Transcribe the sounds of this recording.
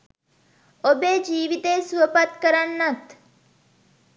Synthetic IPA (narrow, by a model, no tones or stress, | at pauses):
obeːd͡ʒiːʋit̪eːsuʋəpat̪kəɾanːɐt̪